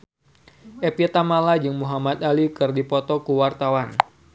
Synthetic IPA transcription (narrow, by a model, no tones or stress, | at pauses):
ʔepit̪amalad͡ʒɨŋmuɦamat̪̚alikɨrdipɔt̪ɔkuwart̪awan